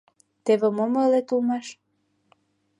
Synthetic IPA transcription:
t̪eβemoməlet̪ulmɑʃ

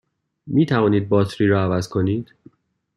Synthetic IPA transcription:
miːt̪ʰævɒːniːd̪̚bɒːt̪ʰɾiːɾɒːævæzkʰo̞niːd̪̥

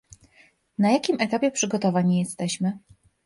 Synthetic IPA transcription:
najakʲimɛt̪apʲjɛpʂɘɡɔt̪ɔvaɲijɛst̪ɛɕmɘ

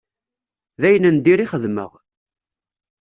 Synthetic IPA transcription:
ðæjənənd̪iɾiχəðmə̰ʁ

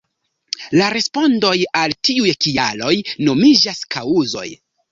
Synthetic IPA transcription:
laɾe̞spo̞ndo̞jaltiujkialo̞jno̞mid͡ʒaskʰawuzo̞̰j

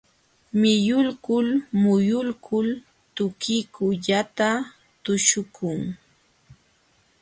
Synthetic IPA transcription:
mɪjʊlkʊlmʊjʊlkʰʊl | t̪ʊkɪkʊʎat̪a | t̪ʊʃʊkʰʊŋ

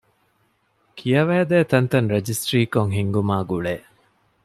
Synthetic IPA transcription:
kʰijɐʋæːd̪eːt̪ɐnt̪ɐnɾed͡ʒisʈɾiːkoŋɦiŋɡumaːɡuɭeː

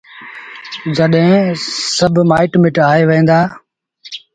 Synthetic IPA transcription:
zəɗɦẽsəbʱmaːɪʈmɪʈaːɦeːʋẽːnd̪aː

